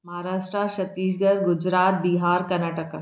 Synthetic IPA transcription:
mɐɦaɾaːʂʈɾaɕɐt̪ːiːsɡəɾɡud͡ʑɾaːt̪̚biɦaːɾkɐnaːʈəka

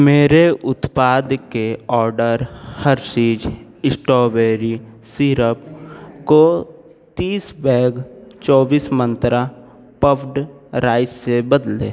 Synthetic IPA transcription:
meːɾeʔʊt̪paːd̪keɔːɾɖəɾhəɾsiːd͡ʒɪsʈɔːbeːɾisiːɾəpko | t̪iːsbɛ̃ːɡt͡ʃɔːbiːsmə̃nt̪ɾa | pəʋɖɾaːɪebəd̪lḛː

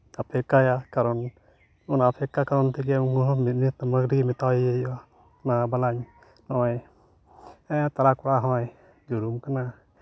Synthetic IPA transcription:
apʰɛkːajakaɾɔn | unapʰɛkːakaɾɔnt̪ʰik̬ɛukuɦɔmit̪̚nit̪amaɡɾikɛmit̪awjeja | nabalaɲ | nɔj | t̪aɾakɔɽaɦɔ̃j | d͡ʒuɾumkana

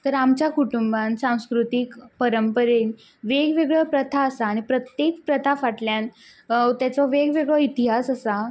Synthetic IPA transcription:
t̪əɾamt͡ɕjakuʈumbansãw̃skɾut̪ikpəɾəmpəɾen | ʋeɡʋeɡɭɔpɾət̪ʰaəsaːɽ̃ipɾət̪jekpɾət̪ʰafaʈljan | t̪jat͡sɔʋeɡʋeɡɭɔit̪iɦasəsa

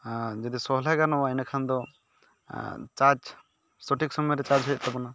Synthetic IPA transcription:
d͡ʒɔd̪isɔɦlajɡanɔwainakʰand̪ɔ | t͡ʃaɾd͡ʒ | sɔʈik̚sɔmɔjɾɛt͡ʃaɾd͡ʒɦɔjt̪̚t̪ɔpɔna

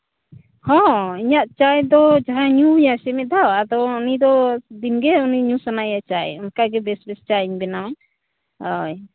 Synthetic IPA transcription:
hɔ̃iɲaʔt͡ʃajd̪ɔd͡ʒaɦãɲujasɛmɛd̪awad̪ɔːnid̪ɔd̪inɡɛuniɲusanajat͡ʃajɔnkaɡɛbɛsbɛst͡ʃaiɲbɛnawa | ɔj

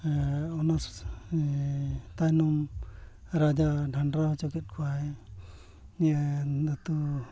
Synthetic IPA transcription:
ɔnas | t̪ajnɔm | ɾad͡ʒaɖʱaɳɖɾaɦt͡ʃɔkɛt̪̚kʰɔaɛ | niad̪ɔt̪u

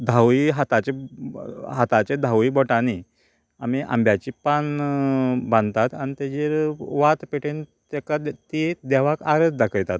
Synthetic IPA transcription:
d̪ʱawiɦat̪at͡ɕe | ɦat̪at͡ɕed̪ʱawibɔʈani | a̰miʔa̰mbjat͡ɕipan | bãnd̪t̪at̪anit̪ed͡ʑeɾʋat̪peʈent̪ɛkat̪id̪ɛʋakaɾəd̪d̪akʰəjt̪at̪̚

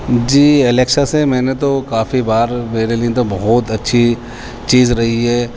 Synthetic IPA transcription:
d͡ʒiːeleːkʃasemɛ̃ːnet̪okaːfibaːɾmeːɾeliẽt̪̬obɐɦɔːt̪ɐtːʃʰi | t͡ʃiːzɾɐɦiɦɛː

